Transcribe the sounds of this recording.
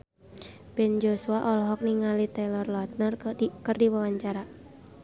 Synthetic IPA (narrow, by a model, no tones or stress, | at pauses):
b̥ɛnd͡ʒosuaʔɔlɔɦɔk̚niŋalit̪ɛlɔrlɔd̚nərkərdiwawaɲt͡ʃaɾa